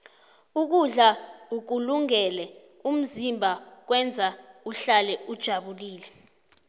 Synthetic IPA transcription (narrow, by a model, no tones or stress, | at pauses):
uk̬uɮauk̬uluŋɛlɛ | um̩zimbʱak̬wɛnd͡zʱauɬalɛud̥ʒ̥ʱaɓuliːlɛ